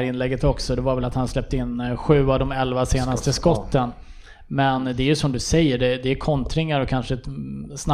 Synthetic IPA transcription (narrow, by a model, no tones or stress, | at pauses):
ɾɪnlɛɡːət̪ɔksɔd̪ɛvaɾvɛlat̪hanslɛp̚t̪əɪnːɧʉ̟ːavd̪ɔmɛlvaseːnast̪əskɔt̪ːən | mɛnd̪ɛæɾjɵsɔmd̪ɵsɛjːəɖɛd̪ɛːkʰɔnt̪ɾɪŋːaɾɔkʰanʂəsna